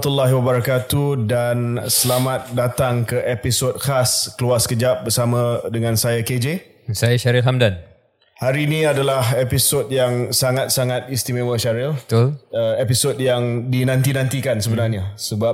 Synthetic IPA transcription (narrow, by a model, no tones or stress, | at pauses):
t̪ulːaɦiwabaɾakat̪udansəlamat̪̚dat̪aŋkəʔepisot̚xaskəluaskəd͡ʒap̚bərsamãdəŋãnsajaked͡ʒe | sajaʃaɾilɦamdan | haɾiːnĩadalahepisodjaŋsaŋat̪̚saŋat̪̚ist̪imẽwəʃaɾilt̪ləepisodjaŋdinãnt̪inãnt̪ikansəbənarɲasəba